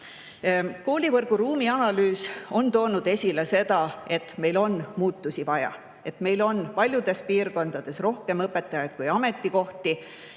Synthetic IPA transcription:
ko̞ːlʲivɤrɡ̥uɾuːmiɑnɑlyːso̞nt̪o̞ːnud̪̥e̞sʲile̞se̞d̪ɑe̞t̪me̞jlo̞nmuːt̪ːusivɑjɑ̰ | e̞t̪me̞jlo̞npɑlʲjud̪̥e̞spiːrko̞nd̪̥ɑd̪̥e̞sro̞hke̞mɤpːˑe̞t̪ːˑɑjɑjd̪̥̚kujɑme̞t̪ːˑiko̞ht̪i

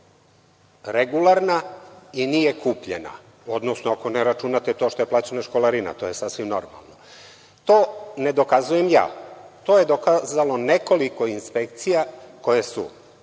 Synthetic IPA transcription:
ɾeɡulˠaɾnainijekuːpʎḛna̰ | o̞d̪nosnoakoneɾat͡ʃunat̪et̪o̞ʃt̪o̞jeplaːt͡ɕenaʃkolˠaɾina̰t̪o̞ːje̞sasʋimno̞ɾma̰lˠno | t̪o̞ːned̪o̞kazuje̞mja̰ːt̪o̞ːje̞d̪okazalo̞ne̞ko̞liko̞inspekt̪sijako̞jesṵ

